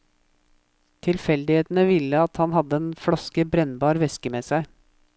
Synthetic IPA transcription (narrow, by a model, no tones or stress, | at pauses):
t̪ʰɪlfɛld̪ɪheːt̪nəʋɪlːəɑt̪hɑnhɑd̪əeːnfɽɑskəbɾɛnbɑːɾʋɛskəmeːsæɪ